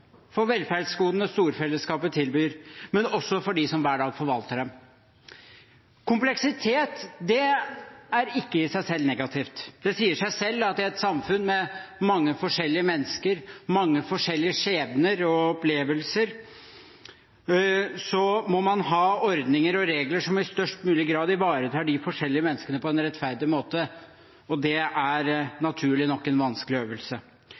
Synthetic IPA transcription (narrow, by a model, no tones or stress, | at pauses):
fɔɾʋɛlfæɾɖskuːd̪nəst̪uːɾfɛlːəskɑːpət̪ʰɪlbyːɾmɛnɔsːɔfɔɖɪsɔmʋæːɖɑːɡfɔɾʋɑlt̪əɖɛm | kʰʊmplɛksɪt̪ʰeːt̪d̪ɛ | æɾɪkːəɪsæɪsɛlnɛɡɑt̪ʰɪft̪d̪ɛsiːəʂæɪsɛlːɑt̪̚ːɪɛt̪sɑmfʉnːmɛmɑŋːəfɔʂɛlːɪəmɛnːəskəɾmɑŋːəfɔʂɛlːɪəʂeːʋnəɾɔɔpleːʋəlsəɾ | sɔmɔmɑnɦɑːɔɾd̪nɪŋəɾɔɾeːɡləʂɔmɪst̪œʂʈmʉːlɪɡɾɑːd̪ɪʋɑːɾət̪ʰɑːɖɪfɔʂɛlːɪəmɛnːəskəɳəpɔɛnɾɛt̪fæɾd̪ɪmoːt̪ə | ɔd̪ɛæɾnɑt̪ʰʉːɭɪnɔkːɛnʋɑnskəlɪøːʋəlsə